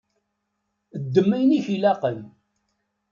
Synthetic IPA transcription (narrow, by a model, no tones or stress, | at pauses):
əd̪ːəmːæjniçilæqən